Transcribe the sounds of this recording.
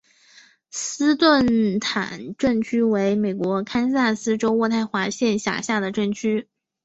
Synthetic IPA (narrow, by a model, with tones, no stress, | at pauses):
sɹ̩˥t̪wə˥˩nt̪ʰa̰˨˩nʈ͡ʂə˥˩ŋt͡ɕʰy˥we˧˥ɪme˨˩ɪkwɔ˧˥kʰa˥nsa˥˩sɹ̩˥ʈ͡ʂo˥ʊwɔ˥˧t̪ʰa˥˩ɪxwa˧˥ɕjɛ˥˩nɕja̰˨˩ɕja˥˩d̪ə˩ʈ͡ʂə˥˩ŋt͡ɕʰy˥